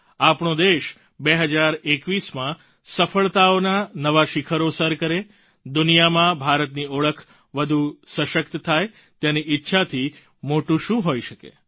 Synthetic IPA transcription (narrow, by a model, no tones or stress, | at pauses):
apɳ̃od̪eʃ | beɦəd͡ʒaɾekʋismã | səfəɭt̪aonanəʋaʃɪkʰəɾosəɾkəɾe | d̪ʊnijamãbʱaɾət̪nioɭəkʰ | ʋəd̪ʱusə̃ʃək̚t̪ət̪ʰaj | t̪janiʔɪtːʃʰat̪ʰi | moʈũʃũɦoiʃəkḛ